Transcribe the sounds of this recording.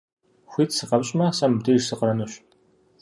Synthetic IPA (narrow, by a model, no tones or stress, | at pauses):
xʷiːtsɨqɐpɕʼmɐsɐmdirsɨqəɾɐnuɕ